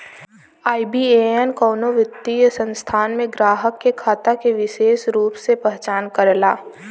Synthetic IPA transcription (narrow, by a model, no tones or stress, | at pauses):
aːibieenkɔːnoʋɪt̪ːijəsə̃nst̪ʰaːnmẽɡɾaːɦəkːekʰaːt̪akeʋɪʃeːʃɾuːpsepɛɦt͡ʃaːnkəɾlaː